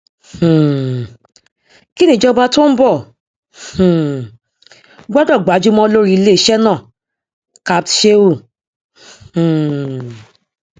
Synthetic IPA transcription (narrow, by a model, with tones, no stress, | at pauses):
h̩˨ | ki˦nĩ˦˨d͡ʒɔ˧ba˧to˦n̩˦bɔ˦˨ | ɡ͡ba˦dɔ˦˨ɡ͡ba˨˦d͡ʒu˦mɔ̃˧o˧lo˦ɾi˦le˦˨˦ʃɛ˦nãː˦˨ | ka˧˦b̚tʃe˦o˦˨